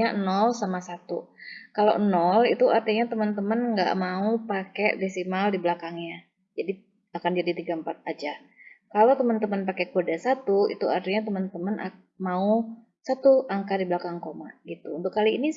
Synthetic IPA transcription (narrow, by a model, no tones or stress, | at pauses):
anɔlsamasat̪ṵkalo̰ʔnɔlit̪uʔart̪iɲat̪əmənt̪̬əmənŋɡa̰ʔmaupakevisimaldiblakaŋɲa | d͡ʒadi | akand͡ʒadit̪iɡampat̪̚ad͡ʒa | kalot̪əmənt̪əmənpakekodasat̪uḭt̪uart̪iɲat̪əmənt̪əmənʔa̰ | mau | sat̪uaŋkadiblakaŋkoma̰ɡit̪unt̪ʊkːaliːni